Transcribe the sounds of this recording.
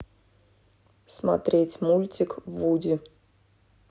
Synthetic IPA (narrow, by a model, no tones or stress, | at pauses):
sma̰t̪ɾʲetʲmulʲtʲɪkvudʲɪ